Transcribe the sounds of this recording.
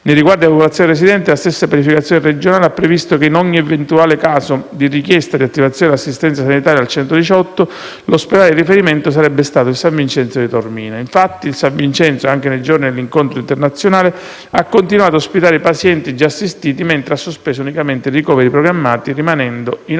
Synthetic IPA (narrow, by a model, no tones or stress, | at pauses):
nejriɡward̪iapopolat̪sjoneɾes̬id̪ɛnt̪elast̪esːapjanifikat̪sjonered͡ʒonaːleapːɾevist̪okeinɔɲːievent̪uaːlekaːsod̪irikjɛst̪ad̪iat̪ːivat̪sjoːneasːist̪ɛnt̪sasanit̪aːɾjalt͡ʃɛnt̪od̪it͡ʃɔt̪ːo | losped̪aled̪irifeɾiment̪os̬aɾɛbːest̪aːt̪oilsaɱvint͡ʃɛnsod̪it̪ormiːnaiɱfat̪ːiːlsaɱvint͡ʃɛnt̪soaŋk̟enejd͡ʒornid̪elːiŋkont̪ɾoint̪ernat̪sːjonaːle | akːont̪inwaːt̪oospit̪aːɾeipasjɛnt̪id͡ʒaːsːist̪iːt̪iment̪ɾeasːospeːsounikament̪eirikɔːveɾipɾoɡɾamːaːt̪irimanɛnd̪oin